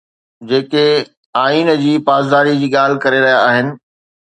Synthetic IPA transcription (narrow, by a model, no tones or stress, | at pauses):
d͡ʑeːke | aːiːnd͡ʑiːpaːzd̪aːɾid͡ʑiːɠaːl̤ɪkɐɾeɾɐɦijaaːɦɪnɪ̆